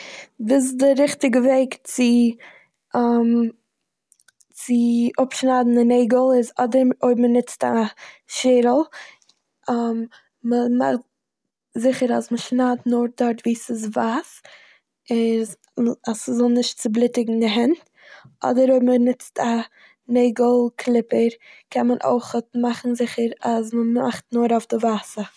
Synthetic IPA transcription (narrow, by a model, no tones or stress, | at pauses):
viːs̬dɪɾɪχtɪɡəveɪkt͡sɪ | am | t͡sɪʔʊpʃnaːdn̩ɪneɪɡəl̩ˠɪzɔdəɾoɪbmənɪt͡sta̰ | ʃeːɾl̩ˠ | am | məma̰χt̚ | zɪχəɾasməʃnaːtnʊɾdʊɾtviːsɪsvaːs | ɪz | maszɔlˠnɪʃtt͡sɪblˠɪtɪɡŋ̩dɪɦɛnt | ɔ̰dəɾoɪbmənɪt͡stʰa | neɪɡəl̩ˠkʰlˠɪpəɾkʰɛnmənʔo̰ɪχətmaχn̩zɪχəɾasməma̰χtnʊɾaʊfdɪvasə